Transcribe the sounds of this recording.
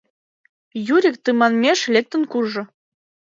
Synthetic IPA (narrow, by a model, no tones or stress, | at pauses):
juɾʲik̚t̪ɨmɑnmʲeʃlʲek̚t̪ə̆nkurʒɤ̆